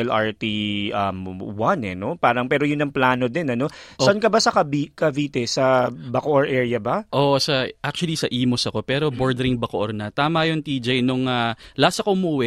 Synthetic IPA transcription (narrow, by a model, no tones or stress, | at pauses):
ɛlʔaɹt̪iʔɐmwanɛno̞paːɾɐŋpɛːɾojʊnːɐŋplaːno̞d̪ɛnɐno̞ʔsoʔɐnkɐbasɐkɐbikɐviːt̪ɛsɐbɐkoʔoɹʔɛːɹjɐbɐʔoːʔsɐʔak̚t͡ʃʊɐlisɐʔiːmosɐko̞pɛːɾo̞boɹd̪ɛɾɪŋbɐkoʔoɾnɐt̪aːmɐjont̪iːd͡ʒɐjnoŋalaːsɐkoʔʊmuʔwɛ